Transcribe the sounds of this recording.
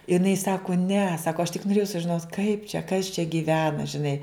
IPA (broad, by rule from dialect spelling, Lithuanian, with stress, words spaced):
ɪˈnɐɪ ˈsɑːkʊ nʲɛ ˈsɑːkoː ɐʃ tʲɪk noːˈrʲeːjɛʊ sʊʒʲɪˈnoːt kɐɪp t͡ʃʲɛ kɐs t͡ʃʲɛ ɡʲiːˈʋʲæːnɐ ʒʲɪˈnɐɪ